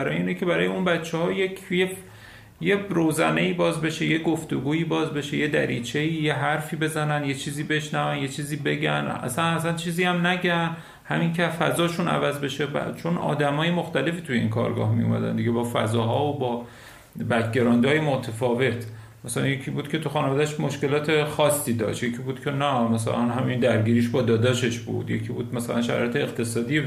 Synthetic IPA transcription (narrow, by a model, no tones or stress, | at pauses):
ɾɒːjeiːnecʰe̞bæɾɒːjeunbætt͡ʃʰːehɒːjekʰjef | jeɾowzæne̞iːbɒːzbe̞ʃe̞je̞ɡoft̪oɡuːiːbɒːzbe̞ʃe̞je̞d̪æ̰ɾiːt͡ʃʰe̞iːjeɦæɾfiːbe̞zænænjet͡ʃʰiːziːbe̞ʃnævænje̞t͡ʃʰiːziːbe̞ɡænæ̰sænæsænt͡ʃʰiːziːæmnæɟæn | hæmincʰefæzɒːʃunæ̰væzbe̞ʃe̞bæ̰t͡ʃʰo̞nɒ̰ːd̪æmɒːje̞moxt̪ælefiːt̪uje̞ḭnkʰɒ̰ːɾɡɒ̰hmijṵmæ̰d̪æ̰nd̪iɡɟe̞bɒːfæ̰zɒːɦɒːobɒː | bæt̪ʰɟeɾɒːnd̪ɒːjemot̪ʰefɒːve̞t̪ʰ | mæsælæ̰nje̞cʰiːbuːd̪̥̚kʰʲe̞t̪ʰuxɒːnevɒːd̪æʃmoʃke̞lɒːt̪ʰe̞xɒːsːiːd̪ɒ̰ʃt̪jecʰiːbuːd̪̥cʰe̞næmæsæ̰lænɦæmind̪æɾɟiːɾiːʃbɒːd̪ɒːd̪ɒːʃe̞ʃbṵd̪̥je̞̰cʰiːbuːd̪mæsælænʃæɾɒ̰ːjet̪ʰeːqt̪ʰe̞sɒːd̪ije